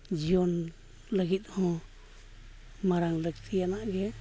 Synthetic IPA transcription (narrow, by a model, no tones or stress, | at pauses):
d͡ʒijɔn | ləɡit̪̚hɔ̃ | maɾaŋləɡt̪ʰijanaʔɡɛ